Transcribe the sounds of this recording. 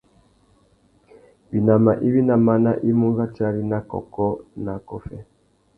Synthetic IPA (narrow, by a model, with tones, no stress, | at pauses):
bi˨na˨ma˨ʔi˦βi˦na˨ma˦na˦ʔi˦mu˦ɡa˦ta˦ɾi˦na˦kɔ̰˨kɔ˦na˨kɔ˦fɛ˦